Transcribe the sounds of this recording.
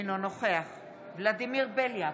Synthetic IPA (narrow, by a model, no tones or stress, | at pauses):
nonoχeaχ | vlad̪imiʁbelja